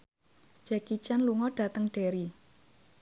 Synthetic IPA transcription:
d͡ʒ̥ɛkit͡ʃanluŋɔɖ̥a̤t̪əŋɖ̥e̤ɾi

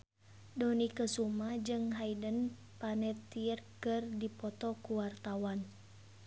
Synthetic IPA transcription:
dɔnikəsumad͡ʒɨŋɦaidən | panɛt̪irkɨrdipɔt̪ɔkuwart̪awan

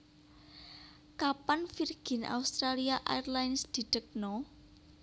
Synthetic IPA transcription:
kapanfirɡ̥ɪ̤na̰ust̪ɾaliaʔa̰jrlajnsd̪̥i̤ɖ̪̥ək̚nɔ

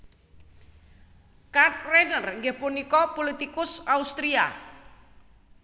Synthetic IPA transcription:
kat̪renərŋɡehpunikɔpolit̪ikʊsaust̪ɾia̰

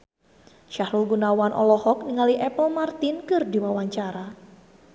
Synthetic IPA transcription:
ʃahɾulɡunawanʔɔlɔhɔk̚niŋaliʔɛpəlmart̪ɪnkɨrdiwawaɲt͡ʃaɾa

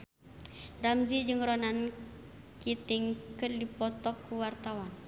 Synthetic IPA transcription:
ramzid͡ʒɨŋrɔnan | kit̪iŋkɨrdipɔt̪ɔkːuwart̪awan

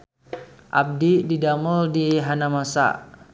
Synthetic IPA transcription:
ʔab̚dididamʊldiɦanamasa̰

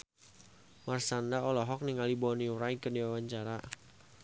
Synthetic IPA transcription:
marsandaɔlɔɦɔk̚niŋalibɔniuɾajkədiwawaɲt͡ʃaɾa

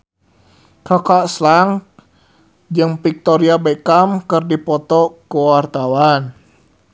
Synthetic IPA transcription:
kakaʔslaŋ | d͡ʒɨŋpik̚t̪ɔɾiabekamkɨrdipɔt̪ɔkəwart̪awan

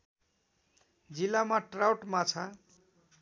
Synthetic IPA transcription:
d͡zilːamaʈrawʈmat͡sʰa

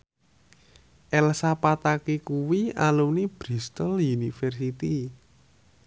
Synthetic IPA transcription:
ʔɛlsapat̪akekuwialunib̥ɾist̪əlunifɛrsit̪i

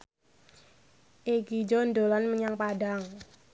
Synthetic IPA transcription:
ʔeɡid͡ʒɔndolanməɲaŋpadaŋ

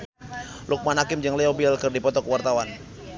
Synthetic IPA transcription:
lʔuk̚manɦakɪmd͡ʒəŋlɛɔbialkərdipɔt̪ɔkəwart̪awan

